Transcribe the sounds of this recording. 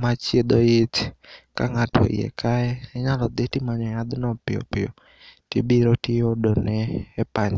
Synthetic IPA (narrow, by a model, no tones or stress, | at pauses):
mat͡ʃjed̪oɪtka̰ŋatʰɔ̰ḭḛkʰaɛɛɲalɔd̪etimaɲɔjad̪nɔpɪjɔ̰pɪɔ | tibiɾotɪjodonɛːpaɲ